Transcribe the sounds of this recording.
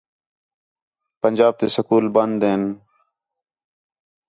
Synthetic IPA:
pənʲd͡ʒaːb̚t̪eːsəkuːlbənd̪eːn

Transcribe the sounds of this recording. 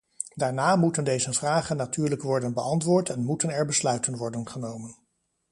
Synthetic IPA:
daːɹnaːmutəndejzəvraːχənːatyːɹləkʋɔɹdənbəʔɑntʋʊːɹtɛnmutənɛɹbəslœɥtənʋɔɹdənχənowmən

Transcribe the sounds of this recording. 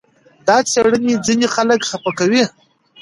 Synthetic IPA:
d̪ɑt͡seɽənid͡zinexaləkxapakawi

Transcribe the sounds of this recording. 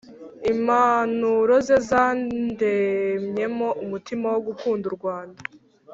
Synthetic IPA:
imanuɾo̞zezaːndemɲe̞mo̞ʔumutimawo̞ɡukuːnduɾɡwaːnda

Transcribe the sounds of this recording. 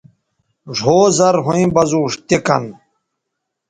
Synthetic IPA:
ʐʱoːzɐɾɦũĩbɐzuːʂt̪ekɐ̰n

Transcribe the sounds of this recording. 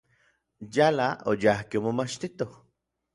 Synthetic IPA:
jalaojahkiomomat͡ʃt̪it̪oh

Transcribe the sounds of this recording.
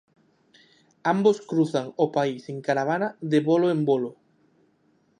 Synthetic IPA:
amboskɾuθaŋopaiseŋkaɾaβ̞anaðeβoloembolo

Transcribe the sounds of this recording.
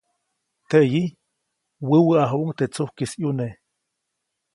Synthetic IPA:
t̪eʔji | wəwəaɦuʔŋt̪et͡suhkisjune

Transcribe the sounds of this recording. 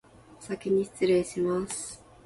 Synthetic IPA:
sakʲiɲ̟iɕt͡sɨɾeːɕimasɨ̥

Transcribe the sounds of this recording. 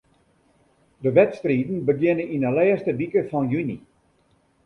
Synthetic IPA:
dəʋɛtstriːdn̩bəɡjɪnəinəlɛːstəbikəfɔnjyni

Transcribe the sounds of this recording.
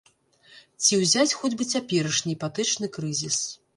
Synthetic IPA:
t͡sʲiwzʲat͡sʲxɔd͡zʲbɨt͡sʲapʲɛɾɐʂnʲipat̪ɨt͡ʂnɨkɾɨzʲis

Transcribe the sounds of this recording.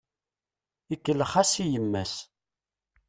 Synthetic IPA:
ikːəlːəχasijəmːæs

